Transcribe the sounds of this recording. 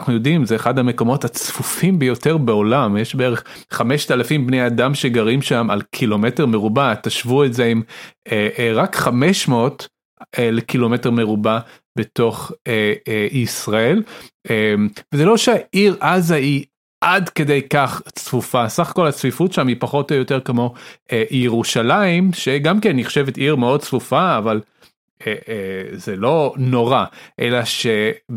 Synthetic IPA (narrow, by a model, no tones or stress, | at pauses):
aχnujo̞dimzeːχadhame̞ko̞mo̞that͡sfufimbejo̞teʁbeo̞lamjeʃbeeʁeχχameʃtalafimbnejadamʃeɡaʁimʃama̰lkʰilo̞me̞teʁmeʁubat̪aʃvuetze̞imeʔʁakχame̞ʃmeot | elekilo̞meteʁme̞ʁuba | be̞to̞χeisʁae̞lemvezelo̞ʃeaʔiʁʔazai | ʔadke̞dejkaχt͡sfufasaχḁko̞lhat͡svifutʃamipaχo̞tojoteʁkamo̞ejeʁuʃalaimʃeɡamkenːiχʃevetiʁmeo̞d̚t͡svufaːval | ezelo̞no̞ʁaʔe̞̰laʃe